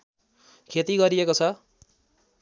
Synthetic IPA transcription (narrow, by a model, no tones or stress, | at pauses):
kʰet̪iɡʌɾiekot͡sʰʌ